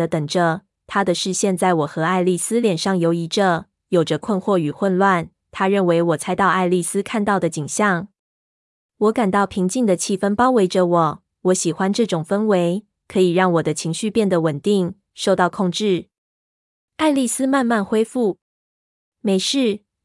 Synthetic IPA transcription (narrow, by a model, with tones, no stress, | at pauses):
ə˦t̪ə˨˩ŋʈ͡ʂə˦ | t̪ʰa˥d̪ə˨ʂɻ̩˥˧ɕjɛ˥˧nt͡sa˥˩ɪwɔ˨˩xɤ˧˥a˥˧ɪli˥˩sɹ̩˥ljɛ˨˩nʂɑ˥˩ŋjo˧˥ʊi˧˥ʈ͡ʂə˧ | jo˨˩ʊʈ͡ʂə˦kʰwə˥˧nxwɔ˥˩y˨˩xwə˥˧nlwa˥˩n | t̪ʰa˥ɻə˥˩nwe˧˥ɪwɔ˨˩t͡sʰa˧˥ɪt̪ɑ˥˧ʊʔa˥˧ɪli˥˩sɹ̩˥kʰa˥˧nt̪ɑ˥˩ʊd̪ə˩t͡ɕi˨˩ŋɕjɑ˥˩ŋ | wɔ˧˥ka˨˩nt̪ɑ˥˩ʊpʰi˧˥ŋt͡ɕi˥˩ŋd̪ə˨t͡ɕʰi˥˩fə˥npɑ˥ʊwe˧˥ɪʈ͡ʂə˧wɔ˨˩˦ | wɔ˧˥ɕi˨˩xwa˦nʈ͡ʂɤ˥˩ʈ͡ʂʊ˨˩ŋfə˥nwe˧˥ɪ | kʰɤ˧˥i˨˩ɻɑ˥˩ŋwɔ˨˩d̪ə˦t͡ɕʰi˧˥ŋɕy˥˧pjɛ˥˩nd̪ə˩wə˨˩nt̪i˥˩ŋ | ʂo˥˧ʊt̪ɑ˥˧ʊkʰʊ˥˧ŋʈ͡ʂɻ̩˥˩ | a˥ɪli˥˩sɹ̩˥ma˥˧nma˥˩nxwe˥ɪfu˥˩ | me˨˩ɪʂɻ̩˥˩